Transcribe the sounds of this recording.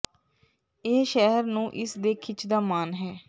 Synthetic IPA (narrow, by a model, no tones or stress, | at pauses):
eːʃɛɦəɾnũːʔɪsd̪eːkʰɪt͡ʃʰd̪aːmaːnɦɛː